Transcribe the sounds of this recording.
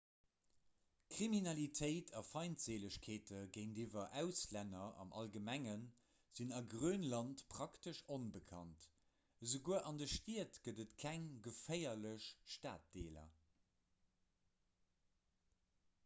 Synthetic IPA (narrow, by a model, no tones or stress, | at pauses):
kʁ̥iminɑlitʰəɪtʰɑfɑɪntz̥eːləɕkʰeːtəɡəɪndivɐʔæʊslænɐɑ̰mʔɑ̰lɡəmæŋən | z̥inɑɡʀøːnlɑntpʰʁ̥ɑktəʃonbəkʰɑ̰nt | əzəɡuəʔɑndəʃtiətɡ̥ədətkʰæŋɡəfəɪɐləʃʃta̰ːt̚d̥eːlɐ̰